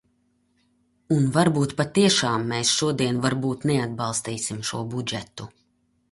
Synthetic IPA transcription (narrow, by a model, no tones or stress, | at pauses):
unvaɾbuːt̪pat̪iɛʃaːmːɛːsʃuɔd̪iɛnvaɾbuːt̪nɛad̪̚bɑlˠst̪iːsimʃuɔbud͡ʒɛt̪u